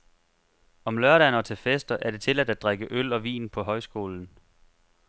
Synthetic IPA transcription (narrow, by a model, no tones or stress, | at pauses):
ɒ̽mlɶɐɾænɒ̽t͡sʰe̝lfesd̥ɐʔæɐɾ̥e̝t͡sʰe̝læd̥æd̚d̥ʁaɡ̥əʔølɒ̽ʋḭːnpʰɒ̽ɦɒ̽ɪsɡ̥o̝ːln̩